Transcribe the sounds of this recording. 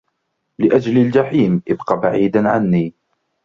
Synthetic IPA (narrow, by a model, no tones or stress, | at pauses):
lɪʔad͡ʒlald͡ʒaħiːmʔɪbqɑːbaʕiːd̪anʕa̰nːiː